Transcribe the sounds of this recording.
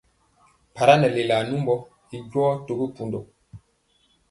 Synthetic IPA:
pa˨ɾa˦nɛ˨le˨la˨nu˦mbɔ˦ | i˨ɟwɔː˦to˨ɡi˦pu˦ndo˨

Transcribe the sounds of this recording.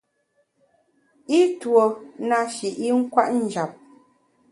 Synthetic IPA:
i˦two˨na˨ʃi˨ʔi˦ŋ̩˦kwa̰˦ʔn̩˦d͡ʒa˨p̚

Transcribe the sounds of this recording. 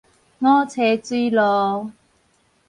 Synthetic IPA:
ŋɔ˦t͡sʰe˨˦t͡swi˦lɔ˨˧˦

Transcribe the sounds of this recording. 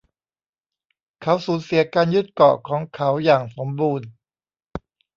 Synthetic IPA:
kʰa˦˥wsuː˨˦nsi˨˩˦ɐkaː˧nju˦˥t̪̚kɔ̰˨˩kʰɔː˩˦ŋkʰa˦˥wjaː˨˩ŋso˩˦mbuː˧n

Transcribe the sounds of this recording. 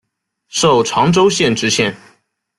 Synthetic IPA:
ʂo˥˩ʊʈ͡ʂʰwɑ˧˥ŋʈ͡ʂo˥ʊɕjɛ˥˩nʈ͡ʂɻ̩˥ɕjɛ˥˩n

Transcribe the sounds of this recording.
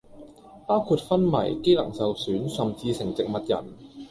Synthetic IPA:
paː˥wkʰuː˧t̚fɐ˥nmɐ̰˨˩jke˥jlɐ̰˨˩ŋsɐ˨wsyː˨˥nsɐ˨mt͡siː˧sɪ˨˩ŋt͡sɪ˨k̚mɐ˨t̚jɐ̰˨˩n

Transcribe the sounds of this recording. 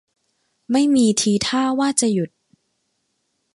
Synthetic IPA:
ma˥˩jmiː˧t̪ʰiː˧t̪ʰaː˥˩waː˥˩t͡ɕa˨˩ju˨˩t̪̚

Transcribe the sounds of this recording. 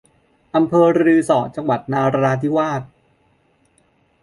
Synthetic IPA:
ʔa˧mpʰɤː˧ɾɾɯː˧sɔː˨˩t̪̚t͡ɕa˧ŋwa˨˩t̪̚naː˧ɾa˧ɾaː˧t̪ʰi˦˥waː˥˩t̪̚

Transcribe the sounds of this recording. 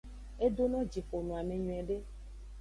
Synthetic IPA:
e˦d̪o˦nɔ̃˦d͡ʒi˨ɸo˨nũ˨a˨mẽ˨ɲũ˨ɛ˨ɖe˦

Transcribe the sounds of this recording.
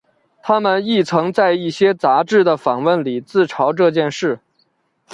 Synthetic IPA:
t̪ʰa˥mə˨ni˥˩t͡sʰɤ˧˥ŋt͡sa˥˧ɪi˥˩ɕjɛ˥t͡sa˧˥ʈ͡ʂɻ̩˥˩d̪ə˩fɑ˨˩ŋwə˥˩nli˨˩t͡sɹ̩˥˩ʈ͡ʂʰɑ˧˥ʊʈ͡ʂɤ˥˧t͡ɕjɛ˥˧nʂɻ̩˥˩

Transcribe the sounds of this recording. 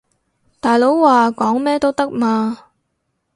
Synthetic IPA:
t̪aː˨jlo˨˥wwaː˨kɔː˨˥ŋmɛː˥t̪o˥wt̪ɐ˥k̚maː˧

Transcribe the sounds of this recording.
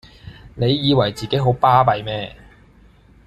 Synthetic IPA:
ne˨˧jːiː˨˧wɐ˨˩jt͡siː˨ke˨˥jɦo˨˥wpaː˥pɐ˨jmɛː˥

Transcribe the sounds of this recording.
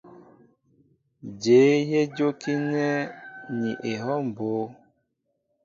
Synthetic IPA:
d͡ʒe˨˦je˦d͡ʒo˦ki˦nɛ˦ni˨ʔe˨ɦɔ˦m˨bo˨˦

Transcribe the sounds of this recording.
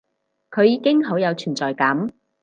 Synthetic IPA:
kʰɵ˨˧ɥjiː˨˧kɪ˥ŋɦo˨˥wjɐ˨˧wt͡ʃʰyː˨˩nt͡sɔː˨˩jkɐ˨˥m

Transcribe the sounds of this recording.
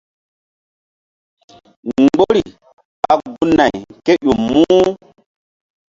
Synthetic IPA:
ŋŋ͡mɡ͡bo˦ɾi˨ | a˨ɡu˦na˨jke˦ɗu˨mmuː˦

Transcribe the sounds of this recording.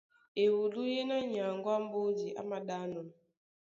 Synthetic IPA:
e˨wu˨lu˦je˦na˦ɲa˨ŋ˦ɡwa˦m̩˦bo˦d͡ʒi˨ʔa̰˦ma˨ɗa˦nɔ˨n˨

